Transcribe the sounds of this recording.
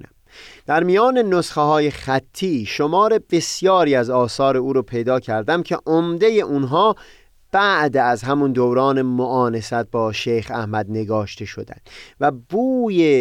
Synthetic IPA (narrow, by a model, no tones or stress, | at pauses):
næ̰m | d̪̥æɾmijɒːne̞nosχehɒːje̞χæt̪ʰːiːʃo̞mɒːɾe̞b̥e̞sjɒːɾiːæzɒːsɒːɾeuːɾopʰe̞jd̪ɒːcʰæɾd̪æmcʰeʔomd̪e̞je̞ʔunɦɒː | b̥æʔd̪æzɦæmund̪owɾɒːne̞moʔɒːne̞sæt̪̚bɒːʃejxæhmæd̪ne̞ɡɒːʃt̪ʰe̞ʃo̞d̪æ̰nd̪̥væbuːje